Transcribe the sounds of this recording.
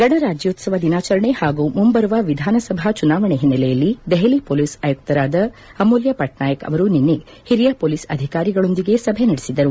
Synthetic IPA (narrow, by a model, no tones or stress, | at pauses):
ɡɐɽɐɾaːd͡ʒjɐːt̪sɐʋɐd̪inaːt͡ʃɐɾɐɳehaːɡumumbɐɾuʋaʋid̪ʱaːnɐsɐbʱat͡ʃunaːʋɐɳeɦinːɐlɛjɐlːid̪eɦɐlipoːlisɐjuk̚t̪ɐɾaːd̪ɐːmoːljɐpɐʈnaːjɐkɐ̰ʋɐɾuninːe | hiɾijapoːlisɐ̰d̪ʱikaːɾiɡɐɭo̞nd̪iɡe̞sɐbʱenɐɽesid̪ɐɾu